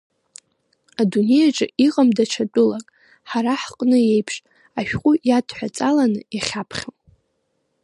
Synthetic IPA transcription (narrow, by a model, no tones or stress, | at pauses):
adune̞jaʈ͡ʂʼɨiqʼamdat͡ʃʰat͡pʼʊlakʼ | ħaɾaħqʼnɨe̞jpʰʂʼ | aʃᶣqʼʊjadʰʼħʷᶣat͡sʼalanɨaχʲapʰχʲom